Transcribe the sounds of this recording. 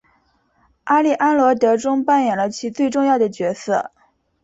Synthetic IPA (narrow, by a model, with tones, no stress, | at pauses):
ʔa˥li˥˩ʔa˥nlwɔ˧˥t̪ɤ˧˥ʈ͡ʂʊ˥ŋpa˥˩njɛ˨˩nlə˦t͡ɕʰi˧˥t͡swe˥˧ɪʈ͡ʂʊ˥˧ŋjɑ˥˩ʊd̪ə˩t͡ɕɥɛ˧˥sɤ̰˥˩